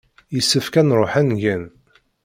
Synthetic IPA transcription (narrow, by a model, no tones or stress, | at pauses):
jəsːəfkænɾˤoħænʝæn